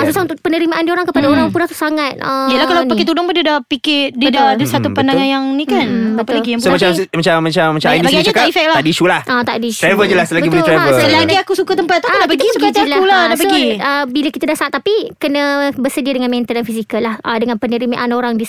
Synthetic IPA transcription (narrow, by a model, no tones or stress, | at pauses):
asusaunt̪ʊk̚pənəɾimaʔandioɾaŋkəpadaoɾaŋpunaht̪usaŋat̪̚əd͡ʒalahkalapaket̪̬udʊŋpundidapikɪdidadəsat̪upandaŋanjaŋnikanbtəlaɡisomaasmat͡ʃamːat͡ʃamːat͡ʃabaɡaɲatkaifɛk̚laadiʃulahʔat̪aʔdiʃt̪ɾavəd͡ʒəlasəlaɡɡimɾavəsəlaɡiakusukat̪əmpat̪̚ːaadaʔpəɡisukat̪lauladaʔp̬əɡiəbiləkit̪adahsaat̪ːapikənəbərsədiədəŋanmɛ̃nt̪əldanfisikəlahʔədəŋanpənəɾimaʔanoɾaŋdi